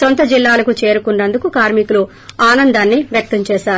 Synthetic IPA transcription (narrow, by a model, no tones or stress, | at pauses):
sont̪ɐd͡ʒilːaːlɐkut͡ʃe̞ːɾukunːɐnd̪ukukaːɾmikulu | aːnɐnd̪aːnːiʋjɐk̚t̪ɐmt͡ʃɛːʃaːɾu